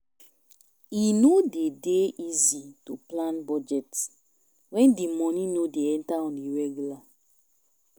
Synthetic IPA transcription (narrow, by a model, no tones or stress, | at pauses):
inodedeʔizituplãnbɔd͡ʒɛt | wɛ̃ndimɔnĩnodeɛ̃ntaɔ̃niɹɛɡjula